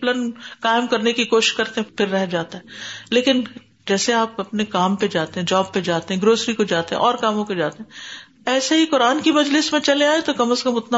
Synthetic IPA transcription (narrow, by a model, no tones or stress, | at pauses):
lənkaːɪmkɐɾnekikoːʃɪ̥ʃkɐɾt̪eɦɛ̃pɪɾːɛɦd͡ʒaːt̪aɦɛːleːkɪn | d͡ʒɛːseaːpɐpnekaːmped͡ʒaːt̪eɦɛ̃d͡ʒɔːb̚ped͡ʒaːt̪eɦɛ̃ɡɾoːsɾikod͡ʒaːt̪eɦɛ̰̃ʔɔːɾkaːmõped͡ʒaːt̪eɦɛ̃ | ɛːsaɦikʊɾaːnkimɐd͡ʒlɪsmẽt͡ʃɐleaːet̪okɐməskɐmʊt̪na